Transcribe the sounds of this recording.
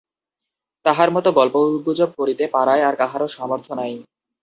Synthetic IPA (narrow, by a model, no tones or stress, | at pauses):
t̪aɦaɾmɔt̪oɡɔlpoubud͡ʑob̚koɾit̪epaɾaeaɾkaɦaɾoʃɔmoɾt̪ʰonaj